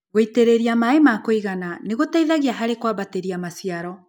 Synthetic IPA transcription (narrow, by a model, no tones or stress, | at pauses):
ɣoiteɾeɾiamaemakoiɣananeɣotaiðaɣiaɦaɾekwaβateɾiamasijaɾɔ